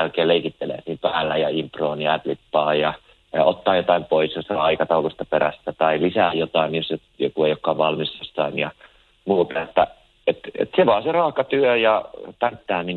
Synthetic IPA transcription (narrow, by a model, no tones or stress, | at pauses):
ælkeːleikit̪ːelḛːsiːmpæːlːæjɑimproːnjɑæd̪lipːɑːjɑ | ot̪ːɑːjot̪ɑimpoisjost̪ɑɑikɑt̪ɑulust̪ɑpeɾæ̰sːæt̪ɑilisæːjjot̪ɑinjosjo | jokueijokːɑːʋʋɑlmisjost̪ɑinjɑ | muːt̪ɑet̪ːæ | et̪ḛt̪seʋɑːserɑːhkɑt̪yøjɑpænt̪ːæːmin